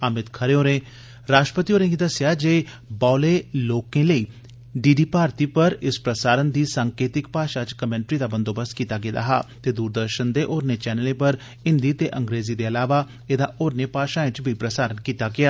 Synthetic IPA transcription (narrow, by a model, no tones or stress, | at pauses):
əmɪt̪kʰəɾeoːɾẽː | ɾaːʃʈəpət̪ioːɾẽːɡid̪əsjad͡ʒeː | baːleːloːkẽːləiː | ɖiːɖiːpaːɾt̪iːpəɾɪspɾəsaːɾənd̪iːsaːŋkeːt̪ɪkpaːʃat͡ʃkəmɛ̃ːɳʈɾiːd̪aːbə̃nd̪oːbəst̪kiːt̪aɡed̪a̰ɦa̰ːt̪eːd̪uːɾd̪əɾʃənd̪eʔoːɾnet͡ʃɛːnəlẽpəɾ | ɪ̃nd̪iːt̪eʔə̃ŋɡɾeːzid̪eːɐlaːʋa | ed̪aʔoːɾnepaːʃaːẽt͡ʃbʱipɾəsaːɾənkiːt̪aɡɪjaː